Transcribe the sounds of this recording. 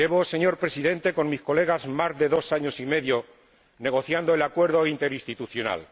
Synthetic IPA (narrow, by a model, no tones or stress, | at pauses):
e̞βo̞seɲo̞ɾpɾe̞siðẽ̞nt̪e̞ko̞nmisko̞le̞ɣ̞azmazðe̞ðo̞saɲo̞sime̞ðjo̞ | ne̞ɣo̞θjand̪oe̞lakwe̞ɾðo̞int̪e̞ɾist̪it̪uθjo̞na̰l